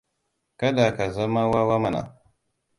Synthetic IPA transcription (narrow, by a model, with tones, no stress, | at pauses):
ka˦da˨ka˨za˦ma˦wa˦wa˦ma˦˨na̰˨